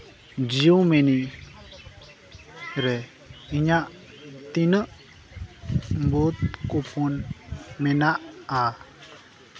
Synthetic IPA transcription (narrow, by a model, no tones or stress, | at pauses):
d͡ʒiumɛni | ɾɛ | iɲaʔ | t̪in | but̪̚kopunmɛnaʔa